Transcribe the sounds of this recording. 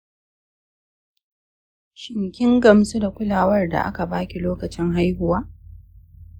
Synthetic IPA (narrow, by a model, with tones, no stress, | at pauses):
ʃɪ˨ŋkʲɪ˦ŋɡɐ˨msu˦da˨kʷʊ˦laː˨wɐ˦rda̰˨ʔa̰˦ka˨baː˦kʲi˨loː˦kɐ˨t͡ʃɪ˦ŋɦa˦jɦʊ˨waː˦